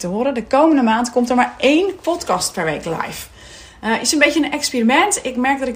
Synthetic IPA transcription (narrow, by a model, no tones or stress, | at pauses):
təɦoːɾədəkowməndəmaːntkɔmtəɹmaɹejnpɔtkɑst̚pɛɹʋḛjklɛ̰jf | əʔɪsənmbejtjənənɛkspiːrimɛntɪkmɛɹk̚dɔtɪ